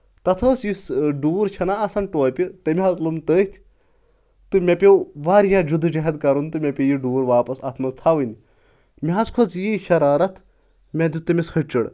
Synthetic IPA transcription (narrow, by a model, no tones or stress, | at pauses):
t̪ɐt̪ʰəːsjisɖuːɾt͡ʃʰɐnaːsɐnʈoːpʲit̪ɐmiɦɐzlumt̪əːjt̪ʰʲ | t̪ɨmʲɐpʲewʋaːɾjad͡ʒud̪ʱːd͡ʒɐɦɐd̪kɐɾunt̪ɨmʲɐpʲijiɖuːɾʋaːpɐsɐt̪ʰmɐzt̪ʰaʋɨnʲ | mʲiɦɐzkʰot͡sjiʃɐɾaːɾɐt̪ʰ | mʲɐd̪ʲut̪ɐmʲishʰɐʈt͡ʃɐɽ